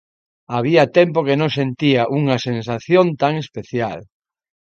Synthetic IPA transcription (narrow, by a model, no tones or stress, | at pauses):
aβ̞iat̪ɛmpokenõŋsent̪iaʔuŋɐsens̬aθjõnt̪aŋespeθjal